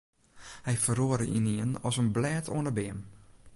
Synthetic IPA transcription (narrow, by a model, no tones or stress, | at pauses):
hɛjfəroəɾəʔiniənɔsənblɛːtʰo̰ənəbɪəm